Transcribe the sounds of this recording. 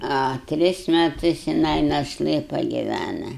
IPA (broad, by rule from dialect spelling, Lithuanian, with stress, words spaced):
ɐ ˈtʲrʲɪs mʲɛˈtʊs jɪˈnɐɪ nɐʃˈlˠɘ pɐɡʲɪˈʋʲænɐ